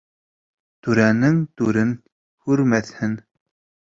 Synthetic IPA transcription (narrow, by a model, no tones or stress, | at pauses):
t̪ʉɾænɘŋt̪ʉɾɘn | hʉɾmæθhɘn